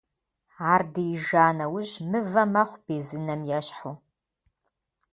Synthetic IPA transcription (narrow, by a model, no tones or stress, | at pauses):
aːrdɨjɪʒaːnɐwʊʑmɨvɐmɐχʷb̥eːzɨnɐmjɛʃħu